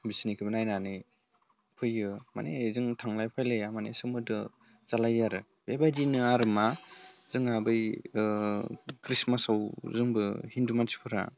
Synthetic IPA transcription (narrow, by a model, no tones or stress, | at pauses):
bisnikʰibɯnajnanɯ | pʰɯjɯma̰nezɯŋtʰaŋlajpʰajlejamanḛsɯmɯdɯ | z̥alajaɾɯ | bebadinɯaɾɯmaz̥ɯŋabɯj | kɾismasawzɯŋbɯhindumansi̥pʰɯɾa̰